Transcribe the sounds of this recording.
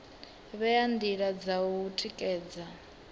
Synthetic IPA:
βɛjand̪iɺad͡zauutʼikʼɛːd͡za

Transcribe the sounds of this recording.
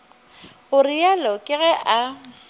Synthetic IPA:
ɣʊrɪalɔkʼɪɣɛʔa

